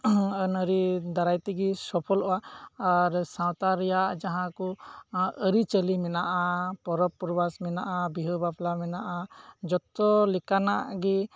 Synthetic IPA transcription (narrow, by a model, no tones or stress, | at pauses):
ənəɾid̪aɾajt̪ɛɡisɔpʰɔlɔaaɾsãwt̪aɾɛjaʔd͡ʒaɦãku | əɾit͡ʃəlimɛnaʔapɔɾɔpːuɾbasmɛnaʔabiɦəbapʰlamɛnaʔad͡ʒɔt̪ɔlɛkanaʔɡi